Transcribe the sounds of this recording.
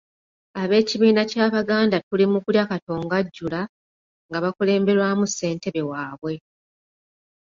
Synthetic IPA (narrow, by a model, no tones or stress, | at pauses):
aβe̞ːciβiːnacaːβaɡaːndatulimukuɾjakato̞ːŋɡaɟːula | ŋɡaβakule̞ːmbe̞ɾwamusːe̞ːnte̞βe̞waːβwe̞